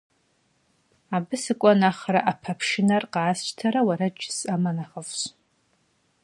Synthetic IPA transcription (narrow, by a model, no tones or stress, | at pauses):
abɨsɨkʷʼanaχraʔapʰapʰʂɪnarqaːst͡ʃʼtʰaɾawaɾad͡ʒɪsamanaχəvɕ